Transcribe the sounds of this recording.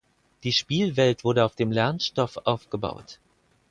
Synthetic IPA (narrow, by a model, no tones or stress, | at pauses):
d̥iːʃpiːlvɛltv̥ʊɐdɾəaʊfd̥eːmlɛɐnʃtɔfʔaʊfɡ̥əba̰ʊt